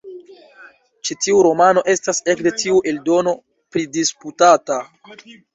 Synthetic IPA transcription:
t͡ʃitiuɾo̞mano̞ʔe̞stase̞kde̞tiuʔe̞ldo̞no̞ | pɾidisputata

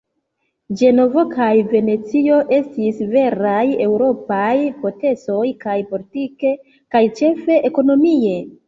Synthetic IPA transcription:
d͡ʒe̞no̞vokajve̞ne̞t͡sio̞ʔe̞stisve̞ɾaje̞wɾo̞pajpo̞te̞so̞jkajpolitike̞ | kajt͡ʃe̞fe̞ʔeko̞no̞mie̞

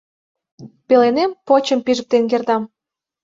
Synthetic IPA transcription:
pelenempot͡ɕəmpiʒə̆k̚t̪enk̬erd̪ɑm

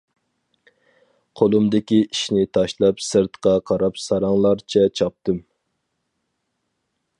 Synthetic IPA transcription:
qʰolˠumd̪ɪkʲiiʃnɪt̪ʰɑʃlˠɑpsɨɾt̪qɑqʰɑɾɑpsɑɾɑŋlˠɑɾt͡ʃʰɛt͡ʃʰɑp̚t̪ɨm

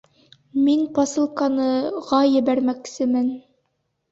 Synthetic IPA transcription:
minpɑsɤ̆lˠkɑnɤʁɑjɘ̆βæɾmæksɘmɘn

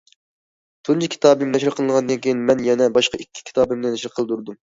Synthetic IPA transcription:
t̪ʰunt͡ʃʰikʲʰi̥t̪ɑːbɨmnɛʃɾɨqʰəlˠɨnʁɑnd̪ɨnkʲʰejinmɛnjɛnɛbɑʃqɑʔikʲʰːi̥kʲi̥t̪ʰɑːbɨmnɨnɛʃɾqʰəlˠɨd̪uɾd̪um

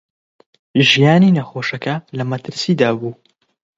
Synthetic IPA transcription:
ʒijaːniːnɐxoːʃɐkɐlɐmɐt̪ʰɨɾsiːd̪aːbuː

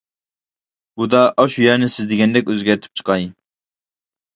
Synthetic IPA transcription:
bud̪ɑʔɑʃujɛɾnɪsɪzd̪ɪɡʲɛnd̪ɛkʲøzɡʲæɾt̪ʰy̥p̚t͡ʃʰqʰɑj

